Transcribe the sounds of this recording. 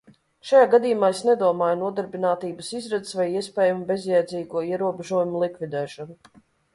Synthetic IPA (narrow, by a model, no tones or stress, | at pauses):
ʃajaːɡad̪ijumaːesnɛd̪uɔmaːjunuɔd̪aɾbinaːt̪iːbəsizɾɛt̪svajiɛspʲɛːjumubezjɛjd̪zʲiːɡuɔiɛɾuɔbeʒuɔjumulˠikvʲid̪ɛːʃɔnu